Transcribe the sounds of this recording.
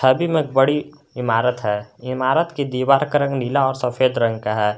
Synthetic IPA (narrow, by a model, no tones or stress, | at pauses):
əbimẽk̚bəɽi | ɪmaːɾət̪ɦɛːɪmaːɾət̪kid̪iːwaːɾkəɾə̃ŋɡnilaɔːɾsəfʰeːd̪ɾə̃ŋɡkaɦɛː